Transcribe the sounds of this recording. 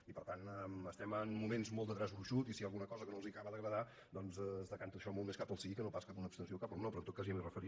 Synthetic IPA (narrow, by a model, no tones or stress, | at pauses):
ipəɾt̪anɛməst̪ɛməmːumenzmolˠtd̪ət̪ɾazuʃut̪isialˠɣunəkɔzəkənolˠziəkaβəðəɣɾəða | d̪ɔnzzðəkant̪uəʃɔmolˠmeskapəlˠsikənopaskapunəpst̪ənsiokapəlˠnopɾɔnt̪ot̪kaziəmirəfəɾi